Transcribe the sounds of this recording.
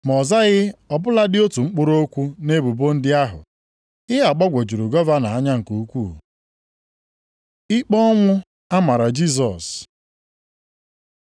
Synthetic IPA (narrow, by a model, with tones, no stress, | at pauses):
m˨ɔ˨za˦ɣɪ˦ɔ˨bʊ˦la˦dɪ˦o˦tu˨ŋ͡m̩˦k͡pʊ˦ɾo˦kʷu˦ne˦bu˨bo˦n̩˦dɪ˦a˦ɦʊ̰˨ | ɪ˦ɦa˨k͡pɔ˦ɡʷo˨d͡ʒu˨ɾu˨ɡɔ˦va˦na˨a˦ɲa˦ŋ̩˨ku˨u˦kʷṵ˦˨ | ɪ˦k͡pɔ˦ɔ˦ŋʷʊ˦ | a˦ma˨ɾa˨d͡ʒi˦z̬ɔ˨s